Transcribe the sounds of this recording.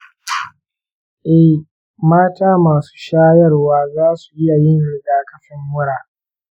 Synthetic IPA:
ʔɛ˦h | maː˦taː˦maː˨su̥ː˦ʃaː˦jɐ˦rwaː˦zaː˦su̥˨ʔɪ˦a˨jɪ˦nɽɪ˦ɡaː˦kɐ˦ɸɪ˦ŋwʊ˦ɽaː˨

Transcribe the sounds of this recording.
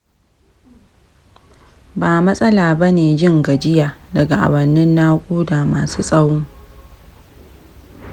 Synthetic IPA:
baː˨mɐ˦sʼɐ˦laː˨bɐ˦neː˨d͡ʒɪ˦ŋɡɐ˨d͡ʒɪ˦jaː˨dɐ˨ɡa˨ʔa̰˨wɐ˨nːɪ˦nːaː˦kʷʼuː˦da˨maː˨suː˦sʼɐ˦wʊ˦ŋ

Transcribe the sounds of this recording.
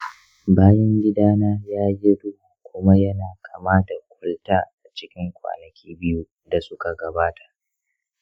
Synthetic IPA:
baː˦jɐ˦ŋɡʲɪ˦daː˦naː˦jaː˦jɪ˦dʊ˦bu˨kʷʊ˦ma˦jɐ˦naː˨kʼa˨maː˦da˨kʷʼʊ˦ltaː˦ʔa˨t͡ʃɪ˦kʲɪ˦ŋkʷa̰ː˨nɐ˨kʲiː˦bɪ˦ju˦ | da˨sʊ˦ka˨ɡɐ˨baː˦tʰḁ˨ʔ

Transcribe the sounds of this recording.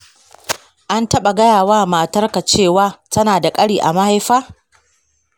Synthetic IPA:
ʔa˦ntɐ˦ɓa˨ɡɐ˦jaː˨waː˦maː˨tɐ˦rka˨t͡ʃeː˦˨waː˦˨tɐ˦naː˨da˨kʼɐ˦ɽiː˨ʔa˨ma˦ha˦jɸaː˦

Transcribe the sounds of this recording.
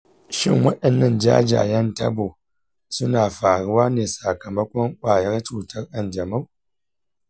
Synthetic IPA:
ʃɪ˦ŋwɐ˦ɗɐ˨nːɐ˦nd͡ʒa̰ː˦d͡ʒa̰˨jɐ˦ntɐ̰˦bo˨ | sʊ˦naː˨ɸaː˨ɽʊ˦waː˦neː˨sa˨kɐ˨mɐ˦kʷɔ˦ŋkʷʼaː˨jɐ˦rt͡ʃuː˨tʰɐ˦rʔɐ˨nd͡ʒɐ˨ma˦w

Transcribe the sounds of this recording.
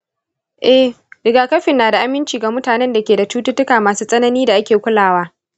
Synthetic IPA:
ʔɛ˦h | dɪ˨ɡaː˨kɐ˦ɸɪ˨nːaː˨da˨ʔa˦mɪ˦nt͡ʃiː˨ɡa˨mʊ˦taː˨nɛ˦nda˨kʲeː˨da˨t͡ʃuː˦tʊ˦tʊ˦kaː˨maː˨suː˦sʼɐ˦nɐ˦niː˦da˨ʔa˦kʲeː˨kʷʊ˦laː˨waː˦

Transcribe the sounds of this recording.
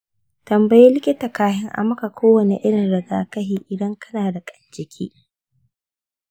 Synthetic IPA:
tɐ˨mbɐ˨jeː˦lɪ˦kʲɪ˦ta˨kaː˦ɦɪ˦ŋʔa̰˨mɐ˦ka˨kʷʰoː˦wɐ˨nḛ˨ʔɪ˦ɽɪ˨nɽɐ˨ɡaː˨kɐ˦ɦiː˨ʔɪ˨dɐ˦ŋkʰɐ˦naː˨da˨kʼɐ˨nd͡ʒɪ˨kʲʰḭː˦

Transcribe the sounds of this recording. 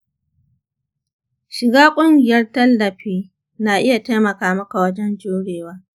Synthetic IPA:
ʃɪ˨ɡaː˦kʷʼʊ˦ŋɡʲɪ˨jɐ˦rtɐ˦lːɐ˨ɸiː˦ | naː˨ʔɪ˦ja˨ta˦jmɐ˨kaː˦mɐ˦ka˨wɐ˦d͡ʒɛ˦nd͡ʒoː˦ɽeː˨waː˦

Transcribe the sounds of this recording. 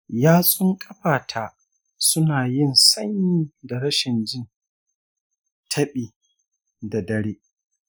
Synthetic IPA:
jaː˦sʼʊ˦ŋkʼɐ˦ɸaː˨tʰaː˨ | sʊ˦naː˨jɪ˦˨nsɐ˦ɲi˦da˨ɽɐ˦ʃɪ˨nd͡ʒɪ˦n | tʰɐ˦ɓiː˨ | da˨dɐ˦ɽeː˦ʔ

